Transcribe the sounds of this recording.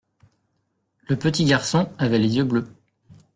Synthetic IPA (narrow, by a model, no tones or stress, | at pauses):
ləpət̪iɡʲaʁsɔ̃avɛlezjøblø